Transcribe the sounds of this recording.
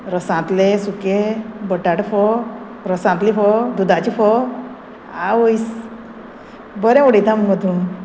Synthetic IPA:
ɾəsãt̪lesukebəʈaʈfɔ | ɾəsãnt̪lifɔd̪ud̪at͡ɕifɔ | aojs | bəɾɛ̃oɽijt̪ãmumət̪un

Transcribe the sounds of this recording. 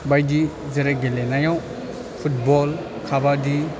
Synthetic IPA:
bajdi | zɐɾaɡelenajaw | pʰut̚bɔl | kʰabadi

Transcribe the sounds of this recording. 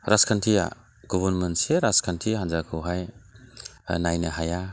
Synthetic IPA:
ɾaskʰantʰija̰ | ɡɔβɔnmenseɾaskʰantʰiɦanzakʰuɦaj | najnaɦaja

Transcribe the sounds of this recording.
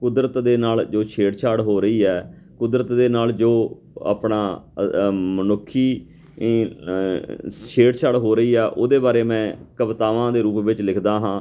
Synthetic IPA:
kʊd̪ɾət̪d̪eːnaːld͡ʒoːʃʰeːɽt͡ʃʰaːɽɦoːɾəiːɛː | kʊd̪ɾət̪d̪eːnaːld͡ʒoː | a̰ːpnaː | mənʊkʰːiː | ʃʰeːɽt͡ʃʰaːɽɦoːɾəiːɛːʔoːd̪eːbaːɾeːmɛ̃ːkəbt̪aːʋãːd̪eːɾuːpʋɪt͡ʃlɪkʰd̪aːɦãː

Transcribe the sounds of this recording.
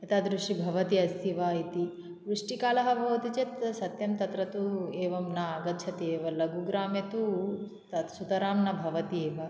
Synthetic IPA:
et̪aːd̪ɾuʂibʱɐʋɐt̪iɐsiʋaːit̪i | ʋɾuʂʈikaːlɐɦɐbʱɐʋt̪it͡ʃet̪sɐt̪jɐmt̪ɐt̪ɾɐt̪ueːʋɐmnɐːɡɐtːt͡ʃʰɐt̪eːʋɐlɐɡuɡɾaːmjɐt̪u | t̪ɐsut̪ɐɾaːmnɐbʱɐʋɐt̪ieːʋɐ

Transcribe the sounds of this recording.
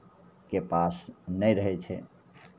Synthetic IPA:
kepasnəjɾəɦɛt͡ʃʰɛ̰

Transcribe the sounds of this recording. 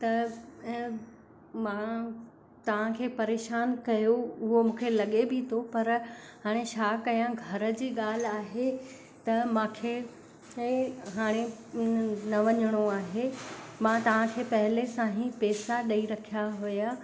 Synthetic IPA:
t̪ɐ | mã | t̪ɐʋ̤ãkʰeːpɐɾeːʃaːnkɐjoʊɦomũːkʰelɐɠebit̪ʰopɐɾɦaːɽ̃eʃaːkɐjãɡʱɐɾə̆d͡ʑiːɠaːl̤aːɦe | t̪ɐmãːkʰe | ɦaːɽ̃e | nɐʋɐɲəɽ̃oaːɦemãt̪ɐʋ̤ãkʰeːpɐɦɪlesãːɦĩpeːsaɗɐiɾɐkʰijaɦʊja

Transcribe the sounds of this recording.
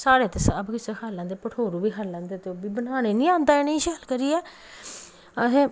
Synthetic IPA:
saːɾeːt̪eːsabkɪseːkʰaːlãːnd̪eːpəʈʰoːɾuːbiːkʰaːlːãːnd̪eːt̪eːobiːbənaːñeːnĩːãːnd̪aːɪnĩːʃɛːlkəɾiːɛː | əɦẽː

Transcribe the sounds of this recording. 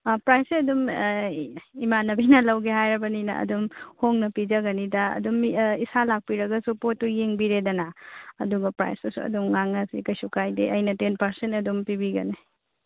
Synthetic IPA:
pɾajseɐdum | imanɐbinɐlɐwɡeɦajɾɐbɐninɐ̰ʔɐ̰dumhoŋnɐpid͡ʒɐɡɐnidɐɐ̰dumisalak̚piɾɐɡɐsupotːujeŋbiɾedɐnaɐduɡɐpɾa̰jsdɐsṵɐ̰dumŋaŋnɐsikɐjsukʰajdḛʔɐjnɐtenpɐɾsentɐdumpibiɡɐ̰ni

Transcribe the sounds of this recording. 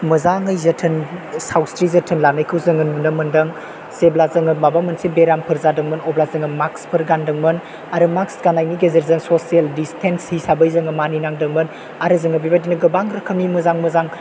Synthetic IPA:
mɐzaŋɯjzɐtʰɯnsawstɾizɐtʰɯnlanɐjkʰɯwzɯŋɯnmɯnɐmɯndɐŋ | seblazɐŋɯmabamɐnsibeɾampʰɯɾzadɯŋmɯnɔblazɯŋɐmakspʰɯɾɡandɐŋmɐn | aɾɯmaksɡanajniɡezeɾzɐŋsosieldistʰenshisabɐjzɐŋɐmaninaŋdɯŋmɯn | aɾɯzɯŋɐbibadinɐɡɐbaŋɾɐkʰɐmimɐzaŋməzaŋ

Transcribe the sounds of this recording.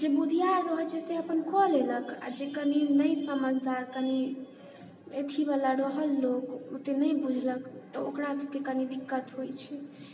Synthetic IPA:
d͡ʒebud̪ʱijaɾəɦt͡ʃɛseəpənkʰɔleləkʰa̰d͡ʒekəninəjsəməd͡ʒʱd̪aɾkəni | et̪ʰibalaɾəɦəlːokot̪enəjbud͡ʒʱləkʰt̪ɔokɾasəb̚kekənid̪ikːət̪ɦojt͡ʃʰɛ

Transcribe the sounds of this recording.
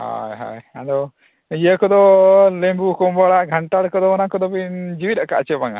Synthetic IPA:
ha̰jɦa̰jad̪ɔ | jəkɔd̪ɔlembukɔmbaɽaɡʱaɳʈaɽkɔd̪ɔɔnakɔd̪ɔpind͡ʒiwiɾakaʔt͡ʃɛbaŋa̰

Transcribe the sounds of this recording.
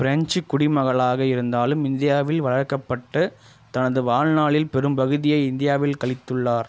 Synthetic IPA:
pɪɾɐɲt͡ʃɯkːʊɽɪmɐɣɐɭaːɣɐɪɾɯnd̪aːlɯmɪnd̪ɪjaːʋɪlʋɐɻɐɻkːɐpːɐʈːɯ | t̪ɐnɐðɯʋaːɻnaːɭɪlpɛɾɯmbɐɣɯðɪjɐɪɪnd̪ɪjaːʋɪlkɐɭɪt̪ːɯɭːaːɾ

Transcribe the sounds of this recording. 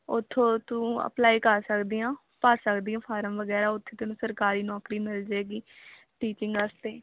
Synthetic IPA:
ʊt̪ʰːõːt̪ũːə̰plaːiːkəɾsəkd̪iːãː | paːsəkd̪iːjãːpʰaːɾəmʋəɡɛːɾaːʊt̪ʰːeːt̪ʊnũːsəɾkaːɾiːnɔːkɾiːmɪld͡ʒeːɡiː | ʈiːt͡ʃɪ̃ŋɡəst̪eː

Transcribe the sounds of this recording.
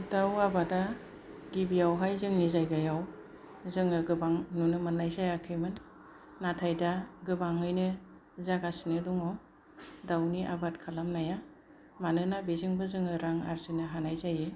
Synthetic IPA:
dawabada | ɡibijawɦajzɯŋnizajɡajaw | zɯŋɯɡɯbaŋnunɯmɯnːajzajakʰɯjmɯnː | atʰajdaɡɯbaŋɯjnɯ | zaɡasinɯdɔŋɔ | dawniʔa̰bat̚kʰalamnaja | manɯnabizɯŋbɯzɯŋɯɾaŋa̰ɾsinɯɦanajzaje

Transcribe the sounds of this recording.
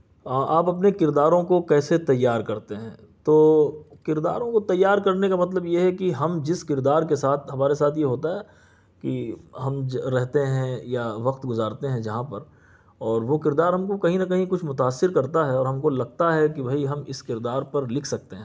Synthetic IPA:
ʔaːpɐp̬nekɪɾd̪aːɾõkokɛːset̪ɐjːaːɾkɐɾt̪eɦɛ̰̃ː | t̪oːkɪɾd̪a̰ːɾõkot̪ɐjːaːɾkɐɾnekamɐt̪̬ləbjeɦɛkiɦɐmd͡ʒɪskɪɾd̪aːɾkesaːt̪ʰɦɐmaːɾesaːt̪ʰjeɦoːt̪aɦɛː | kiɦɐmɾɛɦt̪eɦɛ̃jaʋɐqt̪ɡʊzaːɾt̪eɦɛ̃d͡ʒɐɦãpɐɾ | ɔːɾʋokɪɾd̪aːɾɦɐmkokɐɦĩnɐkɐɦĩkʊt͡ʃʰmʊt̪aːsːɪɾkɐɾt̪aɦɛɔːɾɦɐ̃mkolɐɡ̚t̪aɦɛkibʱɐiɦɐmɪskɪɾd̪aːɾpɐɾlɪkʰsɐk̚t̪eɦɛ̃ː

